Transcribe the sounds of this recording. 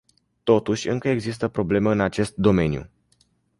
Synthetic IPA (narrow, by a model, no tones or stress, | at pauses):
t̪o̞t̪uʃʲɨŋkəe̞ɡzist̪əpɾo̞ble̞meɨnat͡ʃe̞st̪̚d̪o̞me̞njṵ